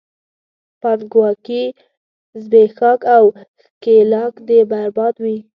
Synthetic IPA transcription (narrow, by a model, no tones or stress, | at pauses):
pand̪ɡwɑki | zbexɑkaw | kelɑkd̪əbaɾbɑd̪wi